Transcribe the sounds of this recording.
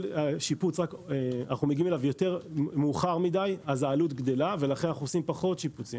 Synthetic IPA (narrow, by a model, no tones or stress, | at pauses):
laʃiput͡sʁakeanaχnumeɡime̞lavjo̞te̞ʁmuːχaʁmid̪ajazaːlut̪ɡd̪e̞lave̞laχenanaχuosimpaχo̞t̪ʃiput͡sḭ